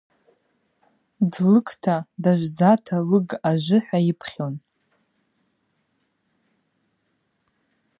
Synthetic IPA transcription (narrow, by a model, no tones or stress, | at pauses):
dlɨkʰʼtʰadaʒʷd͡zatʰalɨɡaʒʷɨħʷᶣaɪpʰχʲon